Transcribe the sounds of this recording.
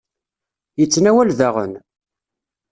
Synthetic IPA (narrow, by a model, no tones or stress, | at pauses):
jət͡sːnæwælðaʁə̰n